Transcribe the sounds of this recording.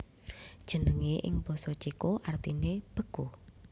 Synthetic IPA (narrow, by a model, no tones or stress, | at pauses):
d̥ʒ̥ə̤nəŋeʔɪ̰ŋb̥ɔ̤sɔt͡ʃikoʔart̪ineb̥əko